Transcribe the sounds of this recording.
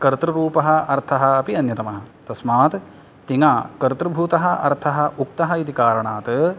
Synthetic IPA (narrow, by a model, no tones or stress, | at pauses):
kɐɾt̪ɾɐɾuːpɐɦɐ̆ɐɾt̪ʰɐɦɐ̆ɐpiɐnjɐt̪ɐmɐɦɐ̆t̪ɐsmaːt̪ | t̪iŋaːkɐɾt̪ɾɐbʱuːt̪ɐɦɐʔɐ̰ɾt̪ʰɐɦɐ̆uk̚t̪ɐɦɐit̪ikaːɾɐɳaːt̪